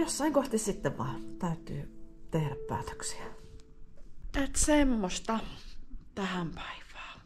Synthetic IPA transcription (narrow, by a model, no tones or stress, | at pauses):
josːɑiŋkoht̪issit̪ːeʋʋɑ̰ˑt̪æyt̪ˑy̰ːt̪ehɾæppæ̰ːt̪ø̥ksi̥æ | et̪semːost̪ɑ | t̪æhæmpæ̥iʋˑɑː